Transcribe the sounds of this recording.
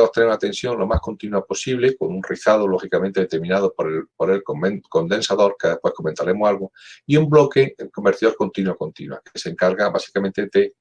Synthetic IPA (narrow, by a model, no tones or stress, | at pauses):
moht̪eneunat̪e̞nsjo̞nlo̞mahko̞nt̪inuapo̞siβleko̞nunriθaðolo̞xikamẽnt̪eet̪eɾmĩnað̞opoɾepoɾe̞lkoenko̞nd̪e̞nsaðo̞ɾkeðehpwe̞hko̞ment̪aɾe̞mohalɣuiumblo̞ke̞kombeɾt̪iðoɾko̞nt̪inwako̞nt̪ḭnwa̰keseŋkaɾɣaβasi̥kamẽnt̪ed̪e